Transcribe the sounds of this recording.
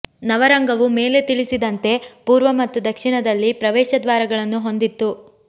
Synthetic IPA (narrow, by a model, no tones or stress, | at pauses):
nɐʋɐɾɐŋɡɐʋume̞ːle̞t̪iɭisid̪ɐnt̪e̞puːɾʋɐmɐt̪ːud̪ɐkʂiɳɐd̪ɐlːipɾɐʋɛːʃɐd̪ʋaːɾɐɡɐɭɐnːuɦo̞nd̪it̪ːu